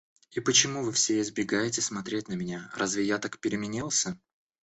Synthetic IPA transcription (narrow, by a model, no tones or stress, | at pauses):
ipət͡ɕɪmuvɨfsʲeɪzbʲɪɡajɪtʲɪsmɐt̪ɾʲet̚ʲnəmʲɪnʲaɾazvʲɪjat̪akpʲɪɾʲɪmʲɪnʲilˠsʲə